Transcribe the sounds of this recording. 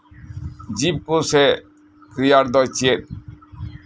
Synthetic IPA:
d͡ʑib̚kose | kɾijaɾd̪ɔjt͡ɕʰiet̪̚

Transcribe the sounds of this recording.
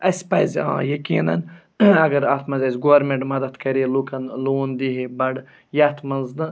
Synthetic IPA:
ɐspɐjzʲã̰ːjɐkiːnɐ̰n | ɐɡɐɾat̪ʰmɐnzʲɐzʲɡoʋɐɾmẽɳʈmɐd̪ɐt̪kɐɾielukʰɐnloːnd̪iɦebɐɽ | jɐt̪ʰmɐnznɨ

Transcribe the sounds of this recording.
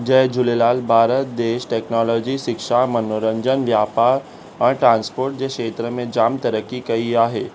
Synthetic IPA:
d͡ʑɐːd͡ʑʊlelaːlbʱaːɾət̪̚d̪eːʃʈeːknɔːlɔːd͡ʑiʃɪkʃamɐnoɾə̃ɲd͡ʒənʋjaːpaːɾ | ə̃ʈɾãːnspoːɾʈ̚d͡ʑeʃeːt̪ɾəmẽd͡ʑaːmt̪ɐɾəkːikɐiaːɦeː

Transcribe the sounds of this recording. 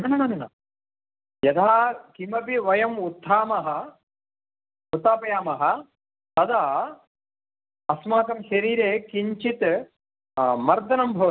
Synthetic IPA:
nɐnɐnɐnɐna̰ | jɐd̪ʱaːkimɐpiʋɐjɐmut̪ʰːaːmɐɦɐ | ut̪ːaːpɐjaːmɐɦɐ̆ | t̪ɐd̪aː | ɐsmaːt̪ɐmʃɐɾiːɾeːkiɲt͡ʃit̪ | mɐɾd̪ɐnɐmbʱɐʋɐ

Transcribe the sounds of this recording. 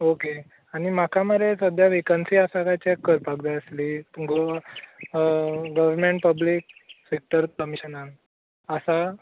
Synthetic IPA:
oke | añimakaməɾesʋəd̪ʱjaʋikənsiasaɡat͡ɕekːəɾpaɡd̪aəslituɡo | ɡəʋəɾmeɳʈ̚pəblik̚sek̚ʈəɾkəmiɕənal | əsa

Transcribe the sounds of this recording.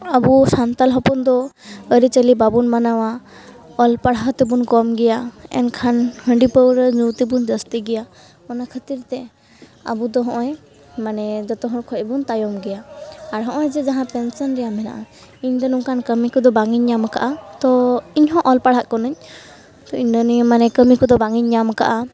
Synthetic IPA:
abusant̪alɦɔpund̪ɔəɾit͡ʃəlibabunmanawa | ɔlpaɽaɦɔt̪ɛbunkɔmɡɛjaɛ̰nkʰanhəɳɖipəwɾəzut̪ibund͡ʒəst̪iɡɛja | ɔnakʰət̪iɾt̪ɛ | a̰bud̪ɔɦɔ̃ʔɔj | manɛd͡ʒɔt̪ɔɦɔ̃kʰɔʔbunt̪ajɔmɡɛjaːɾɦɔ̃ʔɔjd͡ʒɛd͡ʒaɦãpɛnsɔnɾɛjamɛna̰ʔa | iɲd̪ɔnuŋkankəmikɔd̪ɔbaŋiɲːamaka̰ʔat̪ɔiɲɦɔ̃ʔɔlpaɽɦat̪kɔnəɲ | t̪ɔiɲd̪ɔnimanɛkəmikɔd̪ɔbaŋiɲːamka̰ʔa

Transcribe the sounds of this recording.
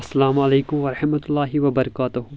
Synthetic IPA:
ɐsːɐlaːmɐleːkʊmʋɐɾɐħmɐt̪ʊlːaːɦɪʋɐbɐɾɐkaːt̪ʊɦʊ

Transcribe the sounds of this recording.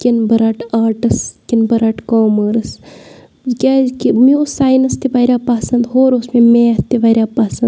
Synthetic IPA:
kʲinbɐɾaʈaːʈɨskinbɐɾɐʈkoːməɾɐs | kʲaːzkimiosaːjnɐst̪iʋaɾʲaːpaːsɐnd̪ɦoːɾosmemeːɐt̪iʋɐɾʲaːpasɐnd̪

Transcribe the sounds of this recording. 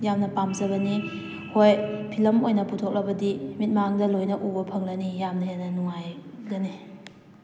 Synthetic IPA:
jamnɐpamzɐɡɐni | hojpʰilɐmojnɐputʰok̚lɐbɐdimit̚maaŋdɐlojnɐʔubɐpʰɐŋlɐnijamnɐhenɐnuŋajɡɐni

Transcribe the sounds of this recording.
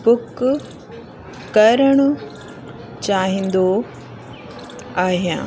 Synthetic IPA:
bʊk | kːɐɾəɽ̃ʊ | t͡ɕaːɦĩnd̪o | aːɦijã̰ː

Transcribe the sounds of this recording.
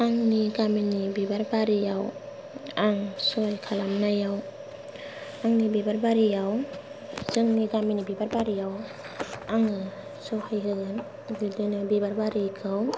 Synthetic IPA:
aŋniɡaminibibaɾbaɾijaw | aŋsɔajkʰalamnajaw | aŋnibibaɾbaɾijaw | zɯŋniɡaminibibaɾbaɾijaw | aŋɯ | sɔhajɦɯɡɯn | ɡɯdɯnɯbibaɾbaɾikʰɯw

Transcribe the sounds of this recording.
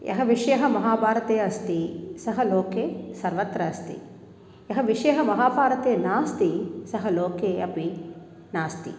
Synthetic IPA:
jʔɐ̰ɦɐʋiʂjɐɦɐmɐɦaːbʱaːɾɐt̪eːɐɐst̪isɐɦɐloːkeːsɐɾʋɐt̪ɾɐɐst̪ḭ | jɐɦɐʋiʂɐjɐɦɐmɐɦaːbʱaːɾɐt̪eːnaːst̪isɐɦɐloːkeːɐpi | naːst̪ḭ

